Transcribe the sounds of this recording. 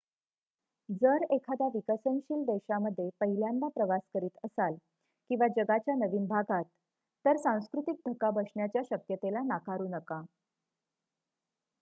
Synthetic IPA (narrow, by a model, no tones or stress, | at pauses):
d͡zəɾekʰad̪aʋikəsənɕiːld̪eɕaməd̪ʱːjepəɦiljãnd̪apɾəʋaskəɾiːt̪əsal | kĩw̃ʋad͡ʑəɡat͡ɕjanəʋiːnbʱaɡʱat̪ː | əɾsãw̃skɾut̪ik̚d̪ʱəkabəʂɳjat͡ɕjaɕəkjət̪elanakaɾuːnəka